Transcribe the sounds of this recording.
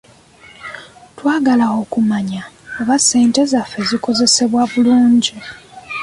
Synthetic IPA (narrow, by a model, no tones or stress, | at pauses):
twaːɡalao̞kumaɲaoβase̞ːnte̞zafe̞ziko̞ze̞se̞βwaβuluːɲɟi